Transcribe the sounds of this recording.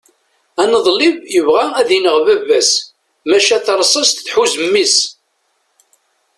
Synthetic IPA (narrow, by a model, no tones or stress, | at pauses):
ænəðˤlivjəvʁææðinəʁvævæs | mæʃæθɾˤsˤɑst̪θħuzəmːis